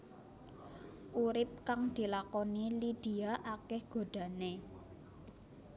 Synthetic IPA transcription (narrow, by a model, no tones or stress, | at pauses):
ʔuɾɪp̚kaŋd̪̥i̤lakɔnilid̪̥i̤aʔakɛhɡ̥o̤ɖ̪̥ä̤ne